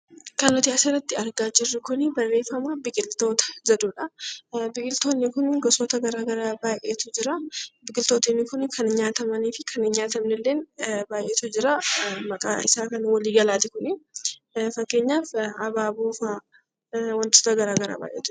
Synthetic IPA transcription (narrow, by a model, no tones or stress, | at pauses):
kɐnːɔt̪ɪɐserːɐt̪ːɪɐɾɡaːd͡ʒɪrːɪkʊnɪbɐrːeːfɐmabɪkʼɪlt̪o̞ːt̪ɐ̥zɐd̪uːᶑɐbɪkʼɪlt̪oːnːɪkʊnɡɔsɔːt̪ɐɡɐɾaːɡɐɾaːbaːjʔeːt̪ʊd͡ʒɪɾɐbɪkʼɪlt̪oːt̪ɪnːɪkʊnkʰɐnɪɲaːt̪ɐmɐniːfɪkʰɐnɪɲaːt̪ɐmnɛlːe̞ːnbaːjʔeːt̪ʊd͡ʒɪɾamɐkʼa̰ːɪ̰saːkɐnwɐliːɡɐlaːt̪ɪkʊnɪ | fɐkːe̞ːɲːaːfɐbaːboːfa | wɐnt̪oːt̪ɐɡɐɾaːɡɐɾa̰ːba̰ːjʔḛːt̪ʊ